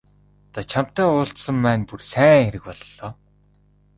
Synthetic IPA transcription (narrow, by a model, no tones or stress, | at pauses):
t͡sat͡ɕʰam̥t̪æːʊːɬt̪sə̆mpæːnpursæːŋxeɾɘ̆kpɔɮːɔː